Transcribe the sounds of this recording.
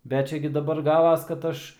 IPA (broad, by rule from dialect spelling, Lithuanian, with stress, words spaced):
ˈbʲɛt ˈt͡ʃʲɛ ɡʲɪ dɐˈbɐr ˈɡɑːʋɐs kɐt ˈɐʃ